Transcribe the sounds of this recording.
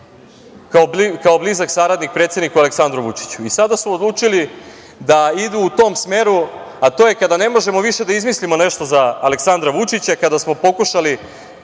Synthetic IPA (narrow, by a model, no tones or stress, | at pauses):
kaobikaoblizaksaːɾad̪nik̚pɾe̞ːt̪sjed̪nikualeksand̪ɾuʋut͡ʃi̥t͡ɕuisad̪asuod̪lˠuːt͡ʃili | d̪aid̪uːt̪o̞ːmsme̞ːɾu | at̪oːje̞kad̪ane̞mo̞ʒe̞mo̞ʋiʃe̞d̪aizmislimo̞ne̞ʃt̪o̞zaːle̞ksand̪ɾaʋut͡ʃit͡ɕakad̪asmo̞po̞kuʃali